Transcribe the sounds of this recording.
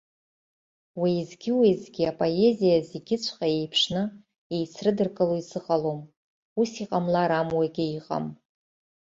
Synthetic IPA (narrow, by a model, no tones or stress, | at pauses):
wazɡʲɪwezɡʲiapʼo̞e̞zijazeɡʲɪt͡ɕʷʰχae̞jpʰʂnɨ | ejt͡sʰrɨdɨrkʼɨloisɨqʼalom | usiqʼamlaɾamwaɡʲɪiqʼa̰m